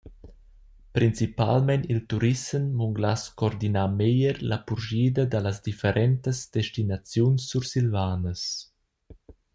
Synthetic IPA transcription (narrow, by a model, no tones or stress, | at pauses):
pɾint͡sipa̰lmɛnilt̪uɾisəmmuŋɡlaskɔɾd̪inamejəɾlapuɾʒiːd̪əd̪alasd̪ifeɾʔɛnt̪əsd̪eʃtinat͡sjunsːuɾsilvaːnəs